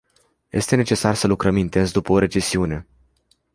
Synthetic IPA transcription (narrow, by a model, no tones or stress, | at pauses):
je̞̰st̪e̞ne̞t͡ʃe̞sarsəlukɾəmint̪e̞nsd̪upəoɾe̞t͡ʃe̞siune̞